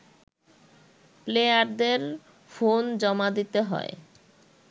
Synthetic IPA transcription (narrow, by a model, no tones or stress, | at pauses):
plejaɾd̪eɾ | fond͡ʑɔmad̪it̪eɦɔ̰e